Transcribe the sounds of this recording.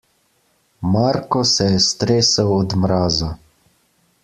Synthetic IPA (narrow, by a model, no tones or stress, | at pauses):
maɾkɔsɛjɛst̪ɾeːsawɔd̪mɾaːza